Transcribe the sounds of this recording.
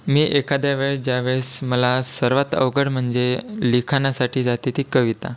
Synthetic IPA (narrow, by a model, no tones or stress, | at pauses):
miːʔekad̪jaʋeɭd͡ʑjaʋeɭsməlasəɾʋat̪ə̰ʋɡəɽm̤əɳd͡zelikʰanasaʈʰiːd͡zat̪it̪iːkəʋit̪a̰